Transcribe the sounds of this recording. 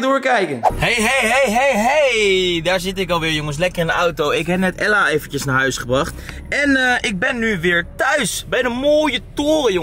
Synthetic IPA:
dʊːɹkɛjkənhejɦejɦejɦejɦejdaːɹzɪtɪkɑlˠʋɪːɹjʊŋəs̬lɛkərɪndəawtowɪkɦɛp̚nɛtɛlaːejfənəsnaːɹɦœɥsχəbrɑχt | ɛnəʔɪɡ̚bɛnːyʋɪːɹtœɥsbɛjdənmoːjətoːrəjʊ

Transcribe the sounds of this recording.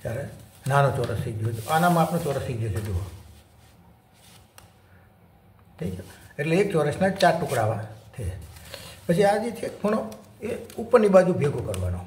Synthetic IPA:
t͡ʃaɾenanot͡ʃɔɾə̰sid͡ʒod͡ʒoʔanamãapnõt͡ʃɔɾəsid͡ʒet͡ʃʰed̪o | t̪ʰəid͡ʒoeʈleːk̚t͡ʃɔɾəsnat͡ʃaʈukɽaʋat̪ʰe | pət͡ʃʰiad͡ʒet͡ʃʰekkʰoɽ̃oeupnibad͡ʒũbʱeɡʱokəɾʋa̰no̰

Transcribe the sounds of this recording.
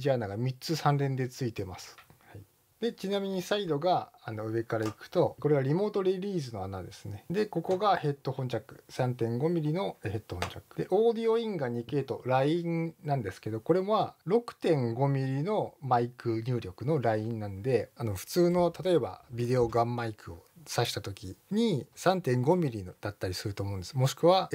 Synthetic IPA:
ʑianaɡamʲit͡sɨsãnɾẽnd̪e̞t͡sɨit̪e̞ma̰sɨ̥hai | d̪e̞t͡ɕinamʲiɲ̟isaid̪o̞ɡaano̞ɯ̟βe̞kaɾaikɯ̟̥t̪o̞ko̞ɾe̞ɡaɾʲimo̞ːt̪o̞ɾʲeɾʲiːzɨno̞anad̪e̞sɨne̞d̪e̞ko̞ko̞ɡahe̞t̪ːo̞hõ̞ɲt͡ɕakɯ̟̥sãnt̪ẽ̞ŋɡo̞mʲiɾʲino̞he̞t̪ːohõ̞ɲt͡ɕakːɯ̟̥d̪e̞ʔo̞ːd̪io̞ĩŋɡaɲ̟ike̞t̪o̞ɾaĩnnãnd̪e̞sɨ̥ke̞d̪o̞ko̞ɾe̞moβaɾo̞kɯ̟̥t̪ẽ̞ŋɡo̞mʲiɾʲino̞maikɯ̟ɲ̟ʲɨːɾʲo̞kɯ̟no̞ɾaiĩnnãnod̪e̞ano̞ɸɯ̟̥t͡sɨːno̞t̪at̪o̞e̞ba̰bʲid̪e̞o̞ɡamːaikɯo̞̰saɕi̥t̪at̪o̞kʲiɲ̟isãnt̪ẽ̞ŋɡo̞mʲiɾʲind̪̥at̪ːaɾʲisɨɾɯ̟t̪oːmo̞ɯ̃nd̪e̞smo̞ɕi̥kɯ̟βa

